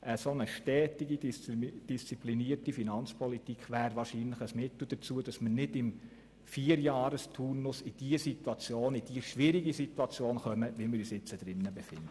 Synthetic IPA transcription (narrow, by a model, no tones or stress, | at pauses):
ʔəsonəʃtɛːtiɡid̥ist͡sipliniəɾtifinɑnt͡spʰɔlit̪ikχʋæːɾʋɑːɾʃiːnləχəsmɪt̪l̩ˠd̥əɾt͡suəd̥ɑsmərnɪdɪm | fiːəɾjɑːɾəst̪ʰuːnʊsɪd̥iəsitwɑt͡sjoːnɪd̥iəʃʋɪɾiɡisituɑt͡sjoːnχœməʋimɪɾyːsɪt͡səd̥ɾɪnːəbefɪ̰ndə